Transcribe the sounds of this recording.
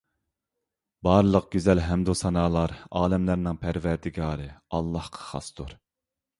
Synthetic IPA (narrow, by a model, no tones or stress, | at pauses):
bɑɾlˠəq̚ɡʲyzɛlɦɛmd̪osɑnɑːlˠɑɾɑːlɛmlæɾnɪŋpʰæɾvæɾd̪ɪɡɑːɾɨɑlˠːɑhqʰɑ̥χɑ̰st̪ʰuɾ